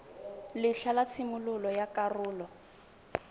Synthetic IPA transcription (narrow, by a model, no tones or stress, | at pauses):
lɪɬalat͡sʰɪmʊlʊlɔjakʼarʊːlɔ